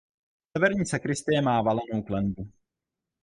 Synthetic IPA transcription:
sɛvɛɾɲiːsɛkɾɪst̪ɪjɛmaːvalɛnowklɛnbu

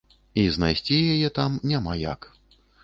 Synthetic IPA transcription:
iznajsʲt͡sʲijajɛt̪amnʲamaja̰k

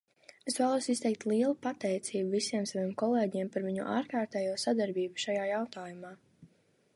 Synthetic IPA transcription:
esvæːlˠuɔsist̪ɛjk̚t̪lˠiɛlˠupat̪ɛjt̪siːbuvisiɛmsavimkɔlˠeːɟɛɛmpaɾviɲṵʔa̰ːɾkaːɾt̪ɛːjuɔsad̪aɾbiːbuʃajaːjawt̪aːjumaː

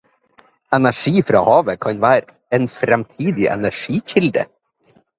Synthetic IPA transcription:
ɛnæʂiːfɾɑ̰ːhɑːʋəkʰɑɲʋæːɾ | eːnfɾɛmt̪ʰiːd̪ɪʔɛ̰næʂiːçɪld̪ə̰

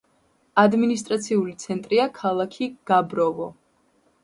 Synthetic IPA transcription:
ad̪minist̪ʼɾat̪sʰiulit̪sʰɛnt̪ʼɾiakʰalˠakʰiɡ̥abɾɔvɔ

